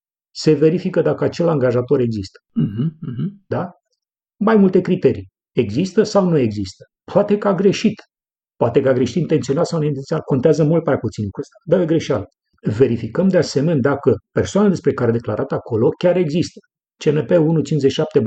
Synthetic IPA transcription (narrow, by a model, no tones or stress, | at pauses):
se̞ve̞ɾifikəd̪akəat͡ʃe̞laŋɡaʒat̪o̞ɾe̞ɡzist̪ə̥ɦ̩ | d̪a | majmult̪e̞kɾit̪e̞ɾi | e̞ɡzist̪əsawnue̞ɡzist̪ə̥ | poat̪e̞kaɡɾe̞ʃit̪ | poat̪e̞kaɡɾe̞ʃit̪int̪ent̪sionat̪sawneint̪ensʲionako̞nt̪eazəmult̪̚majput̪sinkuəst̪ad̪aeɡɾe̞ʃalə | ve̞ɾifikəmd̪ease̞mened̪akəpe̞rsoanad̪espɾe̞kaɾed̪e̞klaɾʔat̪akʰo̞lo̞kʲaɾe̞ɡzist̪ə̥ | t͡ʃenepeunut͡ʃint͡ʃzet͡ʃːiʃap̚t̪e